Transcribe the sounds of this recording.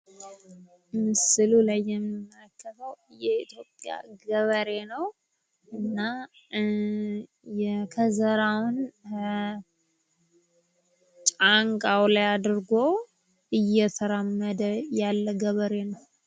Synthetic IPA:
sɨlulajːɛmːnɨmːələkːət̪ʰəwjɛit̪jo̞pʼja̰ɡəβəɾe̞nəw | ɨnːa | jɛkʰəzəɾawʊn | t͡ʃʼaŋkʼawlajad̪ɾɡo | ɨjːɛt̪ʰəɾamːəd̪əjalːəɡəβəɾe̞nəw

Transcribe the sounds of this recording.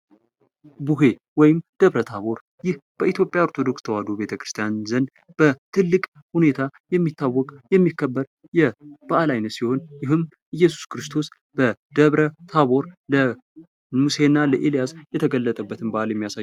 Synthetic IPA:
buɦe̞ | wɔjɪmd̪̥əβɾət̪ʰaβo̞ɾ | jɪhb̥əʔit̪jo̞pʼjaoɾt̪ʰo̞d̪o̞kst̪ʰəwad̪obe̞t̪ʰəkɾɨst̪ʰijanzən | b̥ət̪ʰɨlːɨkʼ | hune̞t̪ʰajɛmːit̪ːawːɔkʼjɛmːikʰːəbːəɾ | jɛb̥aʔalajnət̪siho̞njɪɦɨm | ɨjːɛsu̥skɨɾɨst̪ʰo̞s | b̥əd̪̥əβɾət̪ʰaβo̞ɾlə | muse̞nːaləʔelijasjɛt̪ʰəɡəlːət̪ʼəbːət̪ʰɨnbaʔaljɛmːijasaj

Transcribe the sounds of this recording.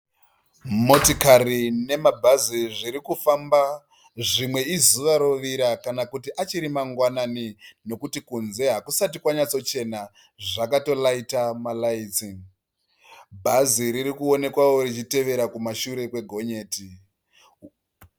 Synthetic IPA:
mo̞tokarine̞mabʱaziʐiɾikufamba | ʐimwe̞izuʋaɾoʋiɾakanakutiʔat͡ʃiɾimaŋɡwananino̞kutikunze̞ɦakusatikwaɲat͡sot͡ʃe̞na | ʐakato̞laitamalaiːt͡si | bʱaziɾiɾikuo̞ne̞kwawo̞ɾit͡ʃite̞ʋe̞ɾakumaʃuɾe̞kwe̞ɡʱo̞ɲe̞ːti

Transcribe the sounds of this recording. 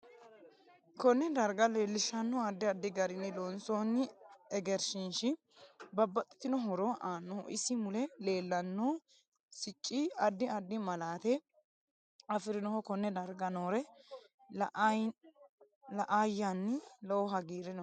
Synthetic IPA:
kɔnːɛd̪ɐɾɡɐle̞ːlːɪʃɐnːɔɐd̪ːɪɐd̪ːɪɡɐɾɪnːɪlonsoːnːɪɛɡɛɾʃɪnʃɪ | bɐbːɐt̪ʼːɪ̥t̪ɪnɔɦɔɾɔʔaːnːoːʔɪ̰sːɪmʊlɛle̞ːlːɐnːoː | sɪt͡ʃʼːiɐd̪ːɪɐd̪ːɪmɐlaːt̪ɛ | ɐfɪɾɪnɔhɔkɔnːɛd̪ɐɾɡɐnoːɾɛ | lɐʔajːanːɪlɔwɔɦɐɡiːɾɪnɔ

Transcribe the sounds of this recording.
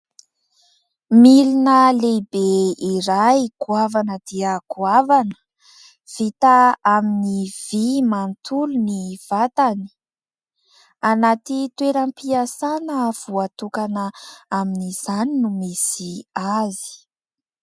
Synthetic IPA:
milinəlebeiɾajkuavanəd̪iəkuavanə̥ | v̥it̪aaminiv̥imant̪uluniv̥at̪ani̥ | anat̪it̪weɾampiasanəv̥uat̪ukanəaminiz̥aninumisiazi̥

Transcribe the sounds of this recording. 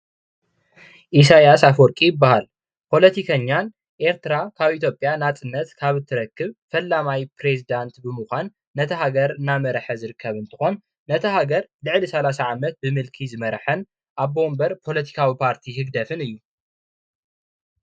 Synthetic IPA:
ʔis̬ajasafɔɾkʼijɪbːahal | pʰo̞lɐt̪ʰikʰɐɲːan | ʔe̞ɾt̪ʰɨɾakʰaβit̪ʰjo̞pʼjanat͡sʼɨnːɐt̪kʰaβɨt̪ʰːɨɾɐkːɨβfɐlːamajpɾe̞zid̪ant̪bɨmuxʷanː | ɐt̪ʰɐɦaɡɐɾɨnamɐɾħɐzɨɾɨkʰːɐβɨnt̪ʰɨxo̞nː | ɐt̪ʰɐhaɡɐɾlɨʕlisɐlasaʕamɐt̪̚bɨmɨlkʰizɨmɐɾħɐn | ʔaβbo̞mbɐɾpʰo̞lɐt̪ʰi̥kʰawipʰaɾt̪ʰihɨɡd̪ɐfɨnɨjːu

